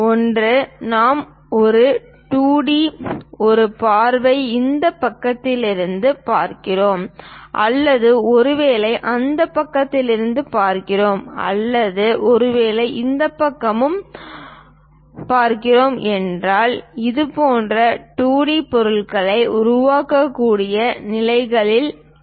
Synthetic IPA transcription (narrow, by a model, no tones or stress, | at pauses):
ɔndrɯnaːm | ɔɾɯ | ʈuːɽiɔɾɯpaːɾʋɐɪɪnd̪ɐpːɐkːɐt̪ːɪlɪɾɯnd̪ɯpaːɾkɪroːmʔɐ̰lːɐðɯɔɾɯʋeːlɐɪʔɐnd̪ɐpːɐkːɐt̪ːɪlɪɾɯnd̪ɯpaːɾkɪroːmɐ̰lːɐðɯʔɔɾɯʋeːlɐɪʔɪnd̪ɐpːɐkːɐmɯm | paːɾkɪroːmɛndraːlɪðɯpoːndrɐʈuːɽipɔɾɯɭɣɐɭɐɪʊɾʊʋaːkːɐkːuːɽɪjɐnɪlɐɪɣɐɭɪl